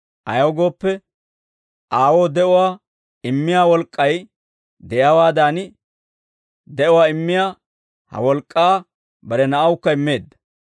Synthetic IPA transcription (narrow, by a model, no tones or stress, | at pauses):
ʔɐ̰jɐwɔɡo̞ːpːɛ | ʔaːwo̞ːd̪ɛʔʊwaː | ɪmːɪjaːwɔlkʼːɐj | d̪ɛjaːwaːd̪aːnɪ | d̪ɛʔʊwaːɪmːɪjaː | hɐ̰wɔlkʼːaː | bɐɾɛnɐʔɐwʊkːɐɪmːe̞ːd̪ːɐ̥